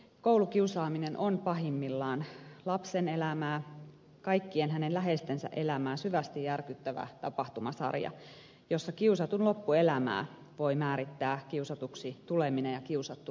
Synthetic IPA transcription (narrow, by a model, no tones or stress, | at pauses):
koulukiusɑːminenʔonpɑɦimːilːɑːnlɑpsenelæmæː | kɑikːienɦænenlæɦest̪ensæ̰ʔe̞læmæːsyʋæst̪ijjærkyt̪ːæʋæ̰t̪ɑpɑht̪umɑsɑ̰rjɑ̰ | josːɑkiusɑt̪unlopːuelæmæ̰ː | ʋo̞imæːɾit̪ːæːkiusɑt̪uksit̪uleminejjɑkiusɑt̪ːu